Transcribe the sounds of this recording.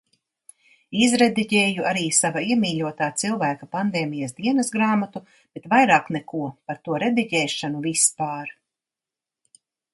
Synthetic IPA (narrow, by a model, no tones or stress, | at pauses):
izɾed̪iɟɛːjuaɾiːsavaiɛmiːʎʲuɔt̪aːt̪silˠvæːkapand̪eːmijasd̪iɛnɐsɡɾaːmat̪u | b̥et̪vajɾaːknɛkuɔpaɾt̪uɔɾed̪iɟɛːʃanuvispaːɾ